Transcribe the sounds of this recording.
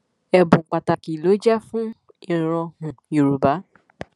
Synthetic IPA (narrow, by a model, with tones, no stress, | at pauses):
ɛ˧bũ˨k͡pa˨ta˨ki˨lo˨˦d͡ʒɛ˦fũ˦ | i˨ɾ̃ɔ̃˧hũ˨ji˨ɾu˨ba˨˦